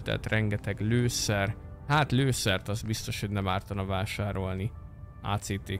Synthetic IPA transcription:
t̪ɛ̰t̪rɛŋɡɛt̪ɛɡløːsɛr | hat̪løːsɛrt̪ɒzbist̪o̞ʃhoɟʲnɛmaːrt̪ɒnɒvaːʃaːɾo̞lni | a̰ːt̪seːt̪eː

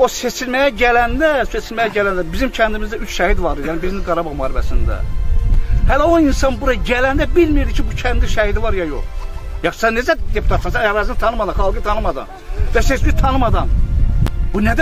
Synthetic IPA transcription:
o̞se̞t͡ʃʰilmæjæɟælænd̪æse̞t͡ʃʰilmæjæɟælænd̪æbizimcʰænd̪imizd̪æyt͡ʃʃæhid̪vɑɾɯjænibizɡɑɾɑbɑɣmuhɑɾifæ̰sḭnd̪æ̰ | hælæoinsɑnbuɾɑɟælænd̪æbilmijiɾd̪icʰibucʰænd̪iʃæhid̪ivɑɾjɑjo̰χjɑχssɛned͡ʒæd̪e̞pʰut̪ʰɑt̪sɑnsæjɑɾɑzɯnt̪ʰɑnɯmɑd̪ɑnχɑlˠɡɯt̪ʰɑnɯmɑd̪ɑ̰n | væset͡ʃmit̪ʰɑnɯmɑd̪ɑn | b̥unæd̪æ

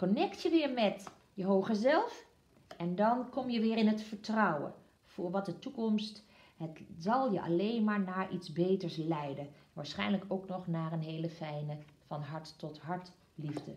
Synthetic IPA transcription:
kɔnɛktjəʋɪːɹmɛt | jəɦowχəzɛlˠf | ɛndɑnkɔmjəʋɪːɹɪnɦətfəɹtrɔwə̰ | v̥ʊːɹʋɑt̚dətukɔmst | hətzɑlˠjəʔɑ̰lejnmaːɹnaːɹʔitzbejtəɹslɛjdəʋaːɹsχɛjnləkʰowknɔχnaːrənɦejləfɛjnəvɑnɦɑɹtːɔtɦɑɹt | livdə

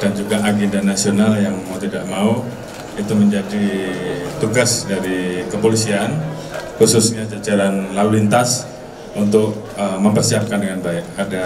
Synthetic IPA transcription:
d̥and͡ʒuɡaʔaɡɛndanasionaljaŋmaut̪idaʔmau | it̪uməɲd͡ʒadi | t̪uɡasdaɾikəpolisian | kususɲad͡ʒat͡ʃalanlalulint̪as | unt̪̬ʊk̚əməmpərsiap̚kandəŋanbaɛk̚ada

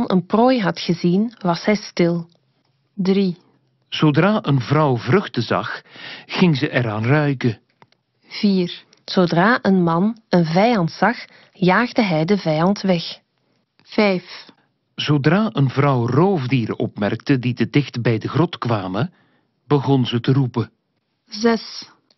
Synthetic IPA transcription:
nə̰nproːjɦɑtχəzinʋɑsɦɛjstɪlˠ | dri | z̥odraːʔənvrɑwvrɵxtəzɑ̰xːɪŋzəʔɛɾaːnrœɥkə | v̥iːr | z̥odraːʔənmɑnənvɛjɑntsɑx | jaːɣdəɦɛjdəvɛjɑntʋɛx | v̥ɛjf | z̥odraːʔənvrɑwroːvdiːɾə̰ʔɔ̰pmɛ̰rk̚təditədɪxtbɛjdəɣrɔtkʋaːmə | bəɣɔnzətərupə | zɛs

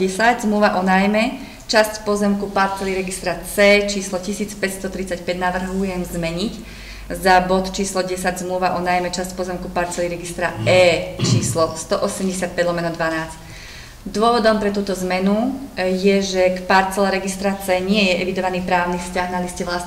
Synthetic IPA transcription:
ɛsaɟzmluʋaʔɔnajmɛ | t͡ʃascpɔzɛmkupaɾt͡sɛliɾɛɡist̪ɾat͡sɛːt͡ʃiːslɔcisiːt͡spɛcst̪ɔt̪ɾit͡sacpɛɟnaʋr̩ɦujɛmzmɛɲic | zabɔt̪t͡ʃiːslɔɟɛsaɟzmluʋaʔɔnajmɛt͡ʃascpɔzɛmkupaɾt͡sɛliɾɛɡist̪ɾaɛːt͡ʃiːslɔst̪ɔʔɔsɛmɟɛsɪat̪̚pɛd̪lɔmɛnɔd̪ʋanaːt͡sc | d̪ʊɔʋɔd̪ɔmpɾɛt̪uːt̪ɔzmɛnujɛʒɛkpaɾt͡sɛlɛɾɛɡist̪ɾat͡sɛːɲɪɛjɛʔɛʋid̪ɔʋaniːpɾaːʊnifscaɣnaliscɛʋlas

